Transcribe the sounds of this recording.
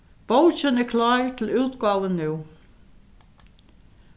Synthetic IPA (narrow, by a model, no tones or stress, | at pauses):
b̥owt͡ɕənækʰlɑːɹt̪ʰɪlʉːt̪ɡɑːʋənːʉː